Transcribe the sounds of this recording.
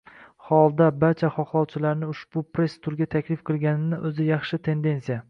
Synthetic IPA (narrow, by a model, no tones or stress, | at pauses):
hɒlˠd̪abaɾt͡ʃʰaχɒχlˠɒwt͡ʃʰɪlaɾnɪʊʃb̥ʊpɾe̞st̪ʰʊɾɡʲat̪ʰakʲlɪfqʰɨlˠɡʲanɪnɪʔɵzɪjɑχʃɪt̪ʰe̞nd̪e̞nsija